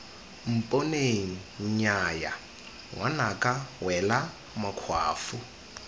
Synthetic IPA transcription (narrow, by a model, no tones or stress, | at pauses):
m̩pʼoneŋ̩ɲaja̰ | wʔanakʼawɛla | makʰwa̰ːfu